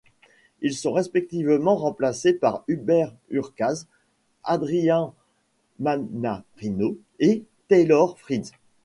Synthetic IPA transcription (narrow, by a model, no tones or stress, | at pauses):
ilsɔ̃ʁespɛk̚t̪ivmɑ̃ʁɑ̃plasepaʁybɛʁ | yʁkaz | ad̪ʁijɛ̃ | manaʁino | et̪elɔʁfχid̪z